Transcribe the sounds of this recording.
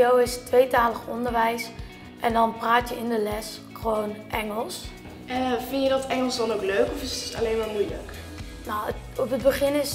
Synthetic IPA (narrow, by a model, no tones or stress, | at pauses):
owɪstʋejtaːləχɔ̰ndəɹʋɛjs | ʔɛndɔnpraːtjəɪndəlɛs | χəʋoːnʔɛŋəlˠs | ɛfɪnjədɑtɛŋəlˠsdɔnowkløɥkɔfɪsta̰lejnmaːɹmujlə̰k | naw | ɔpəd̚bəχɪnɪs